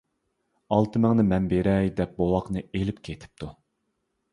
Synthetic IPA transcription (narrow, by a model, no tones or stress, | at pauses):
ɑlˠt̪ʰɨmɛŋnɨmɛnbeɾɛjd̪ɛp̚bowɑqnɨelɪpkʲʰet̪ʰɪ̥p̚t̪ʰu